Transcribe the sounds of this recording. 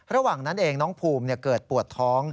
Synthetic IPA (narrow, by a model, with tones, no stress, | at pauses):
ɾa˧waː˨˩ŋna˦˥nʔeː˧ŋnɔː˦˥ŋpʰuː˧mni˧˩ɐkɤː˨˩t̪̚pu˨˩ət̪ʰːɔː˦˥ŋ